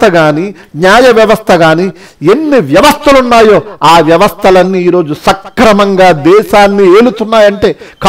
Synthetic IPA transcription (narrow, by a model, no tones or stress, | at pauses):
t̪ʰɐɡaːni | ɲaːjɐʋjɐʋɐst̪ʰɐɡaːni | e̞nːiʋjɐʋɐst̪ʰɐlunːaːjo̞ːaːʋjɐʋɐst̪ʰɐlɐnːiːɾo̞ːd͡ʒusɐkːɾɐmɐŋɡaːd̪ɛːʃaːnːie̞ːlut̪unːaːjɐɳʈe̞ːk